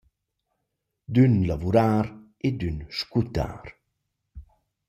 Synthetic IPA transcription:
d̪ynlavuɾaːɾ | ed̪ynʃkut̪a̰ːɾ

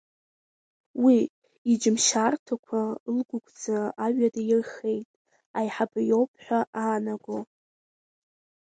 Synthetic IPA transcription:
wi | id͡ʒmʃartʰakʷʰalɡʷʊɡʷʰʼd͡zaaɥadajɪrχe̞jtʼ | ajħabajo̞wpʰħʷᶣaʔaːnaɡo

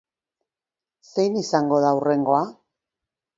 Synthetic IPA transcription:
se̞jnisaŋɡo̞ð̞aure̞ŋɡo̞a

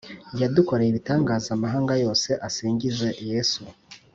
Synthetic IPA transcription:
jaduko̞ɾejiβitaːŋɡaːzamaɦaːŋɡajo̞ːse̞ʔasiːɲɟize̞jesu

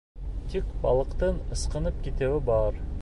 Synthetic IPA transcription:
t̪ikbɑlˠɤ̆qt̪ɤnɤ̆sqɤ̆nɤp̚kit̪ɘ̆wɘbɑɾ

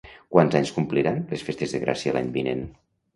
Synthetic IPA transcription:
kwanzaɲskumpliɾanlesfest̪ezðəɣɾʔa̰siəla̰ɲbinḛn

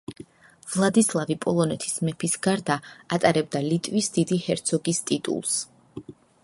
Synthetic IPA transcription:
vlˠad̪islˠavipʼɔlˠɔnɛt̪ʰi̥smɛpʰisɡaɾd̪aat̪ʼaɾɛb̚d̪alit̪ʼvisd̪̥id̪ihɛɾt̪sʰɔɡist̪ʼit̪ʼṵlˠs

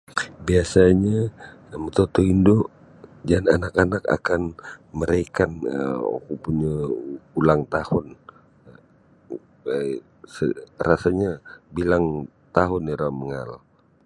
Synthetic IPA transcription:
biasaɲa | mət̪ot̪oindo | d͡ʒananakanaka̰kanməɾekanə̰kupuɲaulaŋt̪ahʊn | sərasaɲabilaŋ | t̪aɦʊniɾaməŋal

